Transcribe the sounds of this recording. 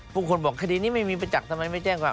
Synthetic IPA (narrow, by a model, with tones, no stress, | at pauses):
bʰuː˥˩kʰo˧nbɔː˨˩kʰːa˧diː˧niː˥˩ma˥˩jmiː˧pa˧t͡ɕa˨˩k̚t̪ʰa˧mːa˧jma˥˩jt͡ɕɛː˥˩ŋkwaː˨˩